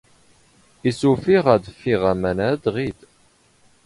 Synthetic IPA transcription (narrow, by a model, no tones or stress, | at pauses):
isufiʁæðfiʁæmænæd̪ʁid̪